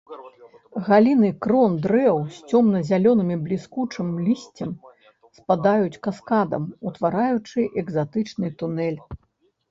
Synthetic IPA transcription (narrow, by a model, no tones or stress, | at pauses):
ɣalʲinɨkɾɔnd̪ɾɛwsʲt͡sʲɔmnɐzʲalʲɔnɨmʲiblʲiskut͡ʂɨmlʲisʲt͡sʲɐm | spad̪ajut͡sʲkaskad̪ɐ̰mut̪vaɾajut͡ʂɨʔɛɡzat̪ɨt͡ʂnɨt̪unɛlʲ